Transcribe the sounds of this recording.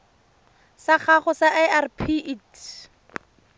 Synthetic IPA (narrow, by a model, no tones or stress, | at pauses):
saχaχʊsaʔɛarpʰiʔit